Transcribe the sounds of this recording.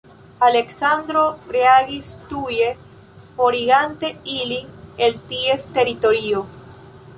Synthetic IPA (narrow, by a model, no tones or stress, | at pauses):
aleksand̪ɾobɾeaɣist̪uje | foɾiɣant̪eiliŋelt̪iest̪eɾit̪oɾio